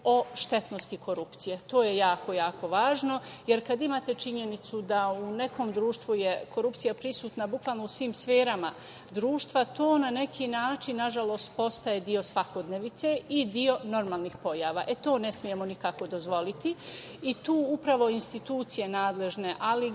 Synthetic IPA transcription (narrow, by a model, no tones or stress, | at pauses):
o̞ʃt̪e̞t̪no̞st̪ikʰo̞ɾupt̪sijet̪o̞ːjejaːko̞jaːkʰo̞ʋaːʒno̞jeɾkad̪imaːt̪e̞t͡ʃiɲe̞nit̪sud̪aune̞ko̞ːmd̪ɾuːʃt̪ʋuje̞kʰo̞ɾupt̪sijapɾisuːt̪nabukʋaːlˠno̞usʋiːmsfeːɾama | d̪ɾuːʃt̪ʋat̪o̞ːnane̞kʰiːnaːt͡ʃinːaʒalo̞st̪po̞st̪ajed̪io̞sʋako̞d̪neʋit̪se̞id̪io̞no̞ɾmaːlˠnixpo̞jaːʋaːʔe̞t̪o̞ːne̞smije̞monikako̞d̪o̞zʋo̞lit̪i | it̪uːupɾaʋo̞inst̪it̪uːt̪sije̞naːd̪le̞ʒne̞ʔali